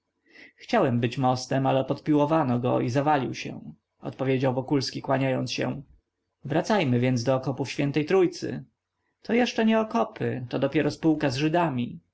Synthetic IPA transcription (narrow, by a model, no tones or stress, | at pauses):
xt͡ɕawɛmbɘt͡ɕmɔst̪ɛmalɛpɔt̪pʲiwɔvanɔɡɔ̰izavalʲiwɕɛ̰̃ | ɔ̰t̪pɔvʲjed͡ʑawvɔkulskʲikwaɲajɔnt̪sɕɛ̰̃ | vɾat̪sajmɘvʲjɛnd̪zd̪ɔːkɔpufɕfʲjɛnt̪ɛjt̪ɾujt̪sɘ̰ | t̪ʰɔjɛʂt͡ʂɛɲɛɔkɔpɘt̪ɔd̪ɔpʲjɛɾɔspuwkazʐɘd̪amʲi